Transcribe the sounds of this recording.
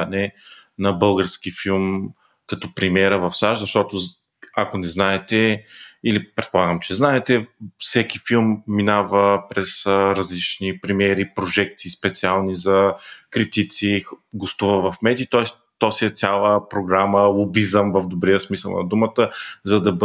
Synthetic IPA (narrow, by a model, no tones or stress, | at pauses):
nɛnɐbɤlˠɡəɾskifilˠm | kɐt̪ɔpɾimʲɛɾəvɐfsaʃzɐʃt̪ɔt̪o | akonɛznaɛt̪ɛilipɾɛt̪̚polˠaɡəmt͡ʃɛznaɛt̪ɛfsɛkifilˠmːinavəpɾɛsɾɐzlit͡ʃnipɾɛmʲjɛɾipɾoʒɛk̚t̪siːspɛt̪sialˠnizɐkɾit̪it̪siɡost̪uvəvɐfmɛd̪ʲit̪ɔɛs | t̪ɔsiɛt̪sʲalˠəpɾoɡɾaməlˠobizəmvɐvd̪obɾiəsmisə̰lˠnɐ̰d̪umət̪əzɐd̪ɐb